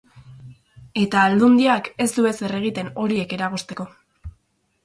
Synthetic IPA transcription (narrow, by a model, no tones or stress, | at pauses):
e̞t̪aːld̪und̪iake̞sd̪ue̞se̞re̞ɣ̞it̪e̞no̞ɾie̞ke̞ɾaɣust̪e̞ko̞